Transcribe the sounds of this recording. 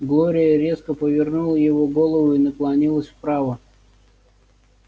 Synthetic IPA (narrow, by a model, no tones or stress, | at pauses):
ɡlˠoɾʲɪjəɾʲeskəpəvʲɪrnulˠəjɪvoɡolˠəvʊinəklˠɐnʲilˠəsʲfpɾavə